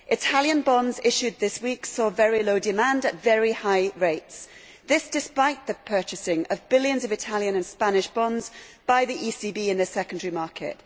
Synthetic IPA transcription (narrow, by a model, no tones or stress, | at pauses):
ʔɪtʰaljə̃nbɒ̃nzɪʃʉd̪̚ðɪswiˑksɔːvɛɹiloʊdɪmãndətv̥ɛɹihaɪɹeɪts | ðɪsd̥ɪspaɪʔðəpʰɜˑt͡ʃɪsɪ̃ŋəvbɪljə̃nzəvɪtʰaljə̃nə̃nspanɪʃb̥ɒ̃ndz̥b̥aɪðiʔiːsiːbiːɪ̃nðəsɛkə̃ndəɹimɑˑkʰɪ̰ʔ